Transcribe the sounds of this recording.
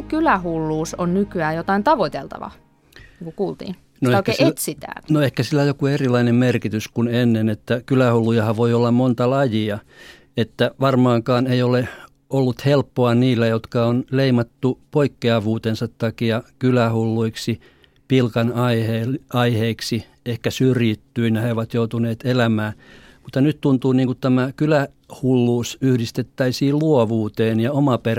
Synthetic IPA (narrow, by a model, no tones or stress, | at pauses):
kylæhulːuːsonnykyæːjot̪ɑint̪ɑʋoit̪elt̪ɑ̰ʋɑ̰ | niːŋkukuːlt̪ḭːn | noeekæeset̪sit̪æ̰ːnnoehkæsilːæjokuerilɑinemmerkit̪yskunenːenet̪ːækylæhulːujɑhɑʋʋoiolːɑmmont̪ɑlɑjiɑ | et̪ːæʋɑrmɑːŋkɑːneiole | olːut̪helpːoɑniːlːæjot̪kɑonleimɑt̪ːupoikːeɑʋuːt̪ensɑt̪t̪ːɑkiɑkylæhulːuiksi | pilkɑnɑiheɑiheiksi | ehkæsyrjit̪ːyːnjɑheoʋɑt̪jout̪uneːt̪elæmæːmut̪ːɑnyt̪t̪unt̪uːniːŋkut̪t̪æmækylæ | hulːuːsyhdist̪et̪ːæisiːlluoʋuːt̪eːnjɑomɑper